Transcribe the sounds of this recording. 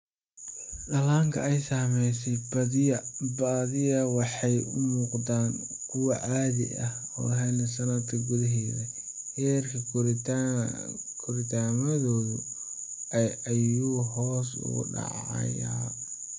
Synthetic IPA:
dɐlaːŋkʰɐɛjsaːmɛjsɛjbɐɪɐbaːðɪjɐwɑħɑjʊmuːqd̪aːŋkʰʊwɑʔaːðɪ̰ʔɐh | ɔ̰ːɦɛlɐsɐnɐd̪kʰɐɡʊðɐɦɛːðɐ | hɛːrkʰɐ | kʰʊɾɪt̪ʰaːmɐðɔːðʊ | ɛjɐjuːɦɔːsʊ̰ɣʊ̰ɖɑ̰ʕɑ̰jaː

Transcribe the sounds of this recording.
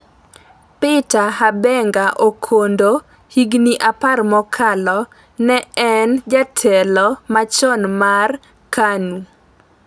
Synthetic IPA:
pɪtahabɛŋɡaʔokʰondo | hiɡniʔaparmɔkʰalɔ | nɛɛnd͡ʒatʰɛlɔmat͡ʃɔnmar | kanu

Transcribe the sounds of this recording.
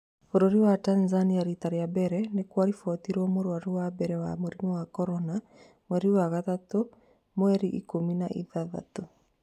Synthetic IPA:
oɾoɾiwatanzaniaɾitaɾeabɛɾɛnekwaɾifɔt̪iɾɔmoɾwaɾiwabɛɾɛwamoɾimɔwakɔɾɔna | mwɛɾiwaɣatato | mwɛɾiʔḭkominaʔḭðaða̰to

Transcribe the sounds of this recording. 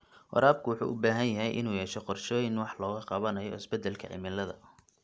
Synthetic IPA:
wɑ̰ɾaːb̚kʰʊwʊħṵːʔʊbaːɦɐnjɐɦɛjʔɪ̰nuːjɛːʃɛqɔrʃɔːjɪnwɑħlɔːɣɐqɑβɐnɐjɔ̰ɪsbɛd̪ɛlkʰɐ̰ʕɪ̰mɪlɐðɐ̰

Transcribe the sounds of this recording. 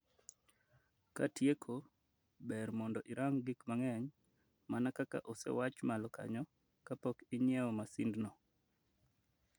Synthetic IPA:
ka̰tjekʰo | bɛɾmɔndɔʔɪɾʔaŋɡikmaŋɛɲ | manakaka̰ʔosɛ̰wat͡ʃmalɔka̰ɲɔ | kapɔkɪɲjɛɔmasindnɔ

